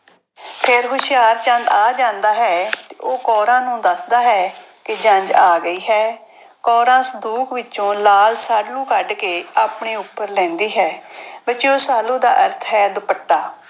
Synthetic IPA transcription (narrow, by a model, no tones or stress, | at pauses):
pʰeːɾɦʊʃɪjaːɾt͡ʃə̃nd̪aːd͡ʒãːnd̪aːɦɛːt̪eːʔoːkɔːɾãːnũːd̪əsd̪aːɦɛː | kɪd͡ʒə̃ɲd͡ʒaːɡəiːɦɛː | kɔːɾãːsəd̪uːkʋɪt͡ʃõːlaːlsaːɖlũːkəɖkeːaːpɳeːʊpːəɾlɛ̃ːnd̪iːɦɛːbɪt͡ʃioːsaːlũːd̪a̰ːʔəɾt̪ʰɦɛːd̪ʊpəʈːaː